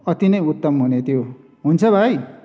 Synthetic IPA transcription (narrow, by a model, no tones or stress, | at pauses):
ʌt̪inʌjut̪ːʌmɦunet̪ʰijo | ɦunt͡sʰʌbʱaj